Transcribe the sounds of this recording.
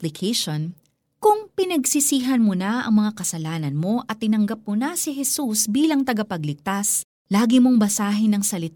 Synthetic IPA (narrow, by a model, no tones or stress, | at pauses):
lɪkʰeʃon | kʊŋpɪnɐɡsɪsiːɦɐnmonaʔɐ̰ŋmɐŋakɐsɐlaːnɐnmo̞ʔɐt̪ːɪnɐŋɡɐp̚monasɪɦɛsusbiːlɐŋt̪ɐɡɐpɐɡ̚lɪɡ̚t̪as | laːɡɪmo̞ŋbɐsaːɦɪnɐŋsɐlɪt̪a